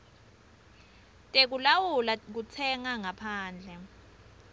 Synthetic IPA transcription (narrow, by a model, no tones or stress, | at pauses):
tʼek̬ulawulak̬ut͡sʰɛŋaŋapʰaːnd͡ɮʱɛ